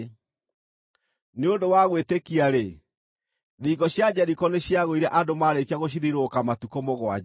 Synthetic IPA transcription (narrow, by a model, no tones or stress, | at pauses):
neondowaɣwetekiaɾe | ðiɣɔɕjad͡ʑɛɾikɔneɕiaɣoiɾɛʔadomaɾetaɣoɕ̬iðiɾokamatukomoɣwa̰